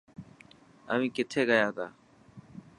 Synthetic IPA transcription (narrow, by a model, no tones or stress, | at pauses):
ə̰ʋĩːkɪt̪ʰeːɡəjaːt̪ʰa̰ː